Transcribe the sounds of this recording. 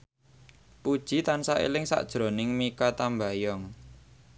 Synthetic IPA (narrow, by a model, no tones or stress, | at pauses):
pud̥ʒ̥i̤t̪ansaʔḛlɪŋsa̰ʔd̥ʒ̥ɾo̤nɪŋmikat̪ambajɔŋ